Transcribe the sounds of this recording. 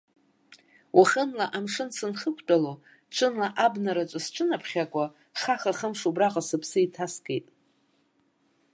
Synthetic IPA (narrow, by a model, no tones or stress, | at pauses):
wʔaχənlaʔamʂɨnsɨnχəkʷʰtʼalo | ʈ͡ʂʷʰɨnlaʔabnaɾat͡ʃʷʼasʈ͡ʂʷʰʼɨnapʰχʲakʷʼa | χaχaχəmʂubraqʼasɨpʰsɨitʰasɡejtʼ